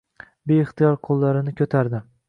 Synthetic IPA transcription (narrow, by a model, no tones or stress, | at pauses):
beɪχt̪ijɒɾqʰolˠːaɾɪnɪkʲʰɵt̪ʰaɾd̪ɪ